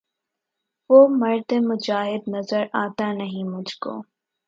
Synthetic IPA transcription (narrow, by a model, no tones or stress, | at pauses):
ʋoːmɐɾd̪emʊd͡ʒaːɦɪd̪nɐzəɾaːt̪anɐɦĩmʊd͡ʒʱko̰ː